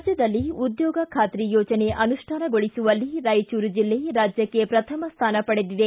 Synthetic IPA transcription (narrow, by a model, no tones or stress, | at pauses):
d͡ʒjɐd̪ɐlːiud̪jɔːɡɐkʰaːt̪ɾijɔːt͡ʃɐne̞ʔɐnuʂʈʰaːnɐɡoɭisuʋɐlːiɾɐjt͡ʃuːɾud͡ʒilːe̞ɾaːd͡ʒjɐkːe̞pɾɐt̪ʰɐmɐst̪ʰaːnɐpɐɽed̪id̪e